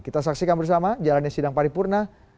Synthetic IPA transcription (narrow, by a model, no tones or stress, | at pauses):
kit̪as̬aksikanbərs̬amad͡ʒalanɲasidaŋpaɾipurna